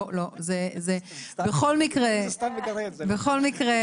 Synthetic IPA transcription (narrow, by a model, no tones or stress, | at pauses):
lozezebeχolmikʁest̪aveɡɐʁebeχo̞lmikʁe